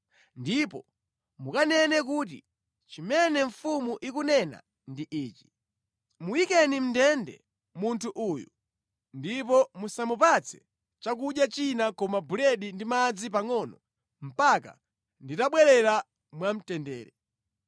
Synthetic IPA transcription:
ndipɔ | mukanɛnɛk̬uːt̬ḭ | t͡ʃimɛnɛɱ̩fumuʔikunɛna̰ | ndiʔiːt͡ʃi̥ | muwikɛnim̩ndɛndɛ̰ | muntʰuʔuju | ndipɔmusamupat͡sʰɛ̥ | t͡ʃak̬uɗjat͡ʃinakɔmabuɾɛɗindimad͡zip̬aŋɔnɔ | m̩paka̰ | nditaɓwɛɾɛɾa | mwam̩tɛndɛːɾɛ

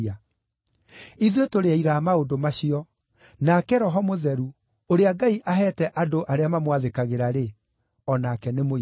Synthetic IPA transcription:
a | iðwetoɾeaiɾamaodomaɕiɔ | nakɛɾɔɦɔmoðɛɾu | oɾeaɡaiʔaɦɛːtɛʔadoʔaɾeamamwaðekaɣeɾaɾe | ɔnaːkɛnemo

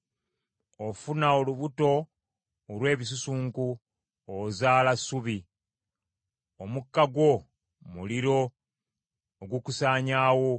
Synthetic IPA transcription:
ofunaoluβuto̞ː | lwe̞ːβisusuːŋku | ozaːlasuβi | omukːaɡwo̞ | muliɾo̞ | ɡukusaːɲaːwo̞

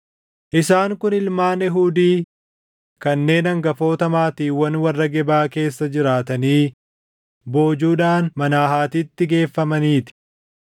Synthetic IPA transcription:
ʔɪsaːŋkʊnɪlmaːnɛɦuːd̪iː | kɐnːe̞ːnɐŋɡɐfo̞ːt̪ɐmaːt̪iːwɐnwɐrːɐɡɛbaːke̞ːsːɐd͡ʒɪɾaːt̪ɐniː | bo̞ːd͡ʒuːᶑaːnmɐnaːɦaːt̪iːt̪ːɪɡe̞ːfːɐmɐniːt̪ɪ̥

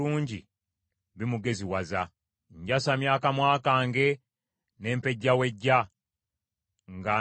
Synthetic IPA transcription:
uːɲɟi | βimuɡe̞ziwaza | ɲɟasamjaːkamwaːkaːŋɡe̞ | ne̞ːmpe̞ɟːawe̞ɟːa | ŋɡa

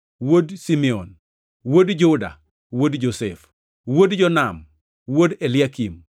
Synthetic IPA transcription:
wodsimɛɔn | wodd͡ʒoda̰ | wodd͡ʒosɛf | wodd͡ʒɔnam | wodelɪakim

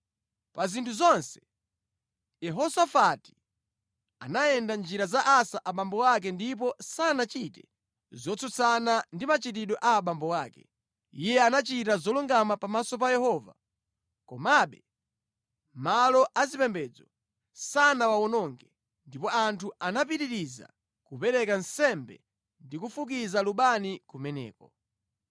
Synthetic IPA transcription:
pazintʰuzɔnsɛ̥ | jɛɦɔsafati̥ | a̰naɛndand͡ʒiɾazaʔasaʔaɓambɔwak̬ɛndip̬ɔsanat͡ʃitɛ | zɔt͡sʰut͡sʰanandimat͡ʃit̬iɗɔʔaːɓambɔwaːkɛ̰ | ijɛanat͡ʃitazɔluŋɡamapamasɔp̬ajɛhɔːva̰ | kɔmaɓɛ | malɔʔazipɛmbɛd͡zɔ | sanawaɔnɔŋɡɛ | ndipɔantʰuanap̬iɾiɾiza̰ | kupɛɾɛkansɛmbɛ̰ | ndikufukizaluɓanikumɛnɛ̰ːkɔ

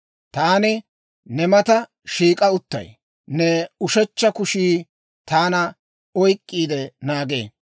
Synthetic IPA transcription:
t̪aːnɪ | nɛmɐt̪ɐ | ʃiːkʼɐʊt̪ːɐ̰j | nɛʊʃɛt͡ʃːɐkʊʃiː | t̪aːnɐ | ɔjkʼːiːd̪ɛnaːɡḛː

